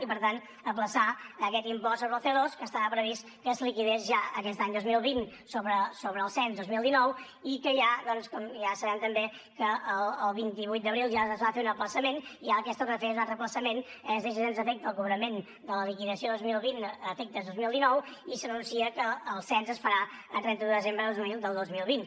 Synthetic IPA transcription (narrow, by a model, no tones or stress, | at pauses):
ipəɾt̪ant̪ | əpləsaəkɛt̪impɔssoβɾəlˠθeðoskəst̪aɾapɾəβis | kəslikiðezʒaəkɛst̪aɲd̪ozmilˠβinsoβɾəsoβɾəlˠsɛnzd̪ozmilˠd̪inɔw | ikəʒaðɔnskɔmʒasəβɛmt̪əmbe | kəʔəlˠːlˠβint̪iβ̞ujt̪̚d̪əβɾilˠʒazβafeunəpləsəmeniaəkɛst̪okəfezuat̪rəpləsəmenɛzðis̬izenzəfek̚t̪əəlˠkuβɾəmen | d̪ələlikiðəsioðozmilˠβinəfek̚t̪əzðozmilˠd̪inɔwisənunsiəkəːlˠsɛnzəsfəɾaət̪ɾɛnt̪əðəðəzembɾəmilˠd̪əlˠd̪ozmilˠβin